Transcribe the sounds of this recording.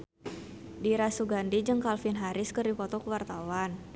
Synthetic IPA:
diɾasuɡandid͡ʒɨŋkalfɪnɦaɾɪskərdipɔt̪ɔkəwart̪awan

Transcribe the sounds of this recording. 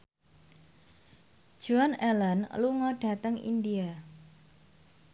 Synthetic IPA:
d̥ʒ̥uanɛlanluŋɔɖ̥a̤t̪əŋḭndia

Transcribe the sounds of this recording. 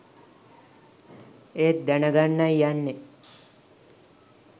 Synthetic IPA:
eːt̪̚d̪ɛnəɡanːajjanːe

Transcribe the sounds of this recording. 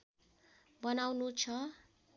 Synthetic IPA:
bʌnawnut͡sʰʌ

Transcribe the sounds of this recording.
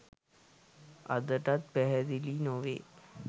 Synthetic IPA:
a̰d̪əʈat̪̚bɛɦəd̪ilinoʋḛː

